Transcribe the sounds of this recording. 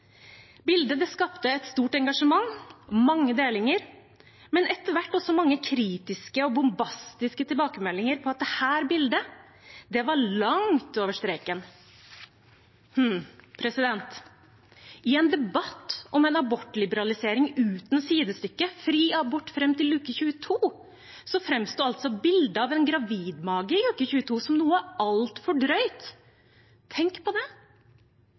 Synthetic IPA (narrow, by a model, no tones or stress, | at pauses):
bɪld̪əd̪ɛskɑpt̪əɛt̪st̪uːʈɛŋɡɑʂəmɑŋmɑŋːəd̪eːlɪŋəɾ | mɛnʔɛt̪əʋæʈːɔsɔmɑŋːəkʰɾiːt̪ɪskəɔbʊmbɑst̪ɪskət̪ʰɪlbɑːkəmɛlːɪŋəɾpʰɔɑt̪̚d̪ɛhæːɾbɪld̪ə | d̪ɛʋɑɾɭɑŋt̪oːʋəʂt̪ɾeːkən | h̩pʰɾɛsɪd̪ɛnt̪ | ɪɛnd̪ɛbɑt̪ːɔmɛnɑbɔʈːlɪbəɾɑlɪseːɾɪŋʉːt̪n̩siːd̪əst̪ʏkːəfɾiːɑbɔʈːfɾɛmːt̪ɪllʉːkəçʉːət̪ʰuː | sɔfɾɛmst̪oːɑlt̪sɔbɪld̪əɑʋɛnɡɾɑʋiːd̪mɑːɡəɪlʉːkəçʉːət̪ʰuːsɔmnuːəɑlt̪fɔɖɾœʏt̪ʰ | ɛŋkpɔd̪ɛ